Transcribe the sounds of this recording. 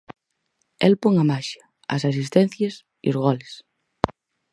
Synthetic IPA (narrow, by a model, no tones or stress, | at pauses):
ɛlpoŋamaʃɐ | ɐ̰s̬as̬ist̪ɛ̃n̟θjɐs | ḭozɣ̞ɔles